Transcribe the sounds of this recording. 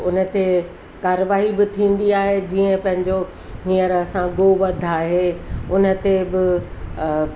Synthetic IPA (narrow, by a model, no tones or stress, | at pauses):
ʊnə̆t̪e | kaːɾəʋaːɦibɪt̪ʰĩːnd̪iaːɦed͡ʑiːə̃pɐ̃ɦɪ̃ɲd͡ʑo | nijəɾɐsãɡoːʋɐd̪ʱaːɦeʊnə̆t̪ebɪ